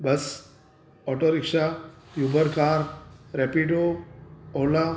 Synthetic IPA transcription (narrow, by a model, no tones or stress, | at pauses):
bɐs | ɔːʈoɾɪkʂa | jubəɾkaːɾɾɛpiʈo | oːla